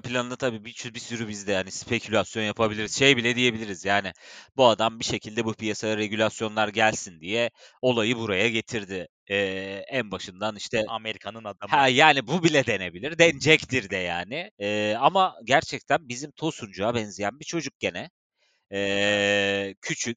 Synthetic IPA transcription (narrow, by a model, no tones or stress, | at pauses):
pʰilʲanɯnat̪ʰabiːbit͡ʃʰybisyɾybizd̪ɛhanispʰe̞cʰylʲasjo̞njapʰabilʲiɾiz̥ʃe̞jbilʲɛd̪ije̞bilʲiɾizjaːnɪbuad̪ambiʃe̞cʰilʲd̪ɛbupʰijasajaɾe̞ɟylʲasjo̞nlˠaɾɟælʲsind̪ijɛo̞lˠajɯbuɾajaɟe̞t̪ʰiɾd̪ɪ | ɛːænbaʃɯnd̪aniʃt̪ʰɛameɾikʰanɯnad̪hɛjaːnibubilʲɛd̪e̞ne̞bilʲiɾd̪ɛnd͡ʒɛct̪ʰiɾd̪ɛjaːnɪɛːamaɟæɾt͡ʃʰɛc̚t̪ʰænbizimt̪ʰo̞sund͡ʒuabɛnzijænbit͡ʃʰo̞d͡ʒuk̚ɟ̥e̞nɛ | ɛː | cʰyt͡ʃʰyc̚ʲ